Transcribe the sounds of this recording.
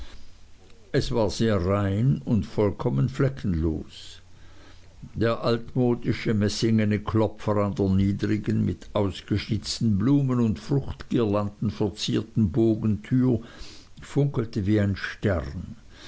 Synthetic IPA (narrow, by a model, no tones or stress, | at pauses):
ʔɛsv̥aːɐzeːɐʁaɪnʊntfɔlkʰɔmənflɛkʰn̩lo̰ːs | d̥eːɐʔaltmoːdɪʃəmɛsɪŋənəkʰlɔpfəʁandeːɐniːdʁɪɡənmɪtʰʔaʊsɡ̥əʃnɪt͡stn̩bluːmənʊntfʁ̥ʊxtɡ̥iːɐlantn̩fɛɐt͡siːɐtn̩boːɡn̩tʰyːfʊŋkl̩təviːaɪnʃtɛ̰ʁn